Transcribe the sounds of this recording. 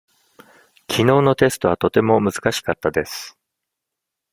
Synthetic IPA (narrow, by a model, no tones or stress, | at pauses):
kʲʰino̞ːno̞t̪e̞sɨ̥t̪o̞β̞at̪o̞t̪e̞mo̞mɯ̟zɨkaɕi̥kat̪ːad̪e̞sɨ̥